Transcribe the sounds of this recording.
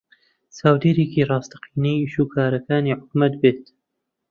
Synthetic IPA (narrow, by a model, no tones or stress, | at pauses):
saːwd̪eɾeːkiːrˤɑːst̪ḁqiːnijʃuːkʰaːɾɐkaːniːħʊkmɐt̪beːt̪